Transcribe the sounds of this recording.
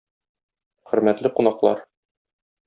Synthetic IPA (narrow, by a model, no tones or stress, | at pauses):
χɘ̆ɾmæt̪lɘqunɑqlˠɑ̰ɾ